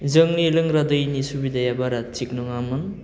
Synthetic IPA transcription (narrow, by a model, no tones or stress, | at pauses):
zɯŋnilɯŋɾadɯjnisubidajabaɾat̚t͡ʃik̚nɔŋamɯn